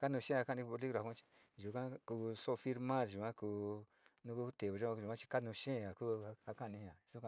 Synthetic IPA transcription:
ka˦nũ˧ʃẽ˦˧a˧ka˦˧nĩ˧ku˧o˧li˦˧ɾa˨˧ã˦t͡ʃi̥˧ | ʒu˨kã˦ku˧so˦˧fi˦ɾmã˦˨ɾʒu˨ã˦ku˧ | nũ˦ku˦t̪e˨βo˨ʒa˦a˧ʒu˨ã˦t͡ʃi̥˧ka˦nũ˧ʃẽ˦˨a˨ku˦˧ha˧kã˦˧˨nĩ˧ã˨˧su˦ka˧

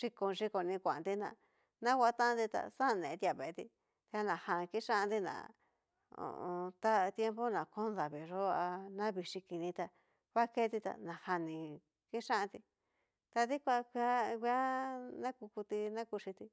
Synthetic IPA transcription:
ʂi˧ko˧ʐi˧˦ko˧nĩ˧kʷã˨nd̪i˦nã̰˨ | nã˦kʷa˧˦t̪ã˦nd̪i˧t̪a̰˧sã˦˧nẽ˨˧t̪i˧a˧βe˨˧t̪i˧ | t̪i˧a˧nã˨hã˧ki˦ʂã˦˧d̪i˧nã̰˨ | o̰˧˨õ˧t̪a˦˧t̪je˦mpo˦nã˨ko˦nða˨βi˨˧ʐo˦a˧nã˦βi˧ʂi˧ki˧nĩ˧t̪a˧ | βa˦ke˦t̪i˧t̪a̰˨nã˨ha˧nĩ˧ | ki˦ʂã˦ʔã˧t̪i˧ | t̪a˧ði˦kʷa˧kʷi˧a˦˧kʷi˧˦a˦nã˦ku˧ku˧t̪i˧nã˦ku˧ʂi˧t̪i˧

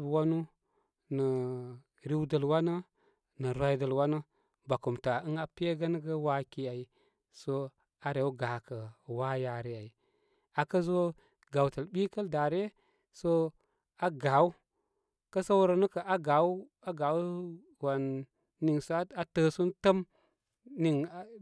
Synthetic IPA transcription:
bwa˦nu˦ | nə˨ | ɾi˦wdə˨lwa˦nə˦ | nə˨ɾwa˦i˦də˨lwa˦nə˦ | ba˨ku˨mta˨ɨ˦ŋa˨pe˦ɡə˦n˦ɡə˦wa˦ki˦a˨i˨ | so˦ | a˨ɾe˨wɡa˨kə˨wa˦ja˨ɾe˦a˨i˨ | a˨kə˦zo˦ | ɡa˨wtə˨lɓi˦kə˦lda˨ɾe˦ | so˦ | a˨˦ɡa˨wu˦ | kə˦sə˦wɾə˦nə˦kə˨ʔa˦ɡa˨˦w | a˦ɡa˨w | wa˨nː | i˨ŋso˦a˨tə˦su˦ntə˦m | ni˨ŋ˨

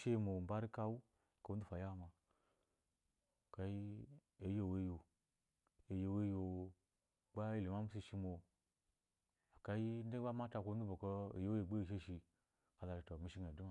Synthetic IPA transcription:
ʃe˦˨mo˨m˨ba˦ɾi˦ka˦wu˦ | ko˨u˦du˦fa˨ja˦˨ma˨ | ka˨i˦ | e˨jo˦˨we˦jo˨ | e˨je˨we˦jo˨ | ɡ͡ba˦ji˦˨le˨ma˦m˦s̬i˧ʃi˧mo˨ | a˨ka˨ji˦n˦e˦a˦ma˦ta˧ko˧˦u˦bo˨ko˧ḛ˨je˦we˨ɡ͡be˦˨ʃ̬e˦ʃi˧ | ka˨la˨i˨to˨mi˨˦ʃi˦ŋ˨e˨du˦ma˦

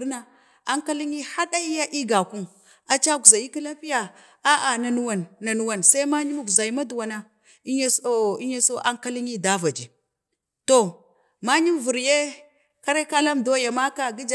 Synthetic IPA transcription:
na˨ | a˦ŋka˦li˦ŋi˦ha˦ɗa˦i˦ja˦ʔi˦ɡa˨ku˦m | a˨t͡ʃa˦ɡu˨za˨ji˦ki˦la˦pi˦ja˨ | a˦ʔa˨na˨nu˦wa˨nːa˨nu˦wa˨nsa˦i˦ma˦ɲi˦m˨ɡu˨za˨i˦ma˦du˨wa˨na˦ | i˦ɲa˦si˦ɲa˦so˦ʔa˦ŋka˦li˦ŋi˦da˦va˨d͡ʒi˨ | to˨ | ma˦ɲi˦m˨vu˨ɾje˦ | ka˦ɾe˦ka˦la˦mdo˦ja˨ma˦ka˦ɡi˦d͡ʒ

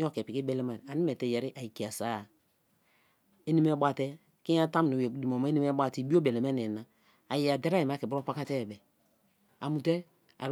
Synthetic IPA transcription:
o˦˨kɛ˨pi˨ki˦bɛ˦˨le˦ma˨n˨a˨ni˦mɛ˨tɛ˨jɛ˨ɾi˦ʔa˨i˨ki˨a˨sa˨˦˨ | e˦ni˦me˦ba˦tɛ˦ | ki˦a˦ta˦m˨nu˨di˨m˨o˨ma˦ni˦mɛ˦bʷa˦ti˦˨bi˦o˦be˨le˨ma˦ne˨na˨ | a˨ji˨a˨de˦ɾa˦i˨m˨a˦ki˨bɾo˦pa˦ka˦tɛ˦˨bɛ˨ | a˨mu˨tɛ˦ | a̰˨ɾ

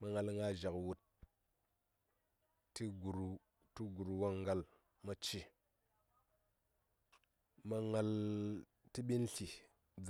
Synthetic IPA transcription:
ma˨ŋa˨lŋa˦ʒa˨kwu˨t | tːi˦ɡu˨ɾu˨ | tu˦ɡu˨ɾu˨wa˦ŋɡa˦l | ma˦t͡ʃi˦ | ma˦ŋa˦l | ti˦ɓi˦nɬi˨ | d͡z

